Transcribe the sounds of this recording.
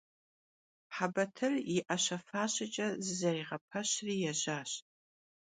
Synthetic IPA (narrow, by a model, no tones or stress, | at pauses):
ħabɐtʰɨriʔaʃɐfaːʃɐt͡ʃʼɐzzariʁɐpʰɐɕrijaʒʷaːɕtʼ